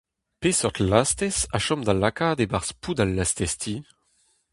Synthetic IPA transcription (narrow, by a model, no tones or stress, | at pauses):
pesɔt̪last̪ɛsaʃɔmd̪alːakad̪ebaʁspud̪alːast̪ɛst̪ʰi